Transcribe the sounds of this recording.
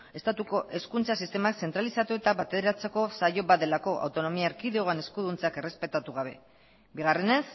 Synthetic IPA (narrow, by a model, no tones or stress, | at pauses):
e̞st̪at̪uko̞ʔe̞skunt͡sasist̪e̞makse̞nt̪ɾalisat̪uet̪aβat̪eðeɾat͡seko̞sajo̞bad̪e̞lako̞ʔa̰wt̪o̞no̞miaɾkiðeoane̞skuðunt͡sake̞re̞spe̞t̪at̪uɣ̞aβ̞e̞̰ | biɣare̞ne̞s